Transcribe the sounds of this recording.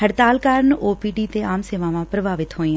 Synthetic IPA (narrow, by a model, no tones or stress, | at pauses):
ɦəɽt̪aːlkaːɾnoːpiːɖiːt̪eːaːmseːʋãːʋãːpɾəbaːʋɪt̪ɦoːĩː